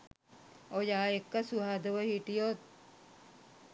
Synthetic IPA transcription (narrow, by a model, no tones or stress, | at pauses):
ojaːekːəsuɦad̪əʋəhiʈijot̪̚